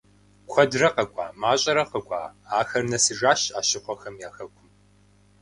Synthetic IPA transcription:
kʷʰɔdrɐqɐɡʷʼa̰ːmaːɕʼɐɾɐqɐɡʷʼa̰ːaːxɐrnɐsɨʐaːɕaːʃɪqʷɔxɐmjaːxɐkʷʰʊm

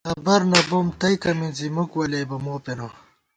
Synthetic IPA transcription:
ɐbɐɾnɐbomt̪ɐjkɐminzimukwɐlebɐmoːpeno

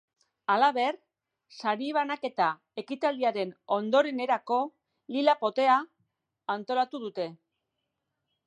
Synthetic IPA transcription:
alaβe̞r | saɾiβanake̞t̪a | e̞kit̪ald̪iaɾe̞no̞nd̪o̞ɾe̞ne̞ɾako̞ | lilapo̞t̪e̞aː | nt̪o̞lat̪uð̞ut̪e̞

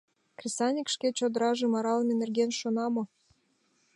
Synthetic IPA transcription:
krʲisɑnʲikʃket͡ɕod̪ə̆ɾɑʒĕmɑɾɑlnenerɡenʃonɑmo

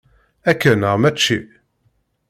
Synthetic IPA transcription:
ækːənəʁmæt͡ʃːi

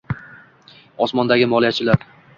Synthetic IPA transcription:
ɒsmɒnd̪aɡʲɪmɒlˠijat͡ʃʰɪlaɾ

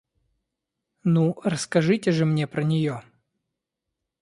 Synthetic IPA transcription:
nurəskɐʐɨtʲɪʐɨmnʲepɾənʲɪjo

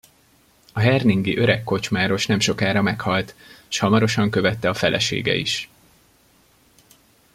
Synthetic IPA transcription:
ɒɦɛrniŋɡiʔø̞ɾɛkːo̞t͡ʃmaːɾo̞ʃnɛmʃo̞kaːɾɒmɛkhɒlt̪ʃhɒmɒɾo̞ʃɒŋkø̞vɛt̪ːɛɒfɛlʔɛ̰ʃḛːɡɛ̰ḭʃ

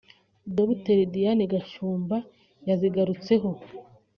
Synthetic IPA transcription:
doβiteɾdijaniɡaʃuːmba | jaziɡaɾut͡se̞ɦo̞

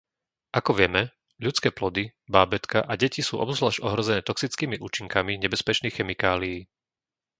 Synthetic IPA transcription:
ʔakɔʋɪɛmɛ | ʎut͡skɛːplɔd̪ibaːbɛt̪kaʔaɟɛcisṵːʔɔ̰bzlaːʃɔɦɾɔzɛnɛːt̪ɔksit͡skiːmiʔuːt͡ʃiŋkamiɲɛbɛspɛt͡ʃniːxxɛmikaːlijiː

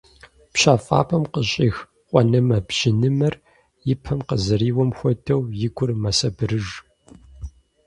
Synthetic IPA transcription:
pɕaːfʼa̰ːpʰɐmqəɕʼiːx | qʷʼɔnɐmɐbʒ̥ɪnɨmɐr | jɪpʰɐmqəzɐriːwɔmxʷɔtʰɐwjɪɡʷʊrmɐsɐbɨɾɨʒ

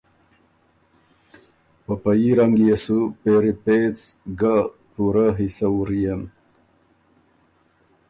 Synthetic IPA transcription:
papajiɾaŋɡjesupeɾipet͡sɡa | puɾaɦisauɾijan

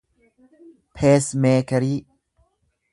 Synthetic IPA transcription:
pʰeːsmeːkɐɾi

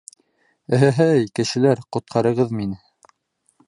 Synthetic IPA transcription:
ɘ̆ɦæɦæjkɘ̆ʃɘ̆læɾqŏt̪̚qʰɑɾɤ̆ʁɤðminɘ

